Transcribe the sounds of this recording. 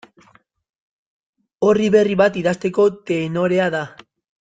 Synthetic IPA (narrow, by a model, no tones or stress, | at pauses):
o̞riβe̞riβat̪iðast̪e̞ko̞t̪e̞ːno̞ɾe̞aða